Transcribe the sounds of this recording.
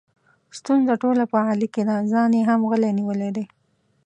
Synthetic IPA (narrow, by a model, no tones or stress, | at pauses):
st̪unzaʈolapəaliked̪azɑnjeɦamɣəleniwəled̪e